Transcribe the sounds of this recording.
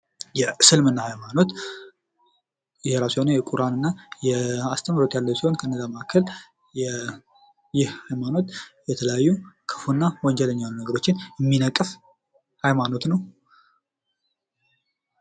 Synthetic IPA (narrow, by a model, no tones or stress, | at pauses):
jɛsɨlmɨnːahajmano̞t̪ | jɛɾashonəjɛkʼuɾanɨnːajɛast̪ʰəmɾot̪jalːəwsiho̞nkʰəɨnːəzaməʔakʰːəl | jɛ | jɪhhajmano̞t̪jɛt̪ʰələjajːukʰɨfunːawɔɲd͡ʒɛləɲːalːunəɡəɾo̞t͡ʃːɪnjɛmːinəkʼːɨf | hajmano̞t̪nəw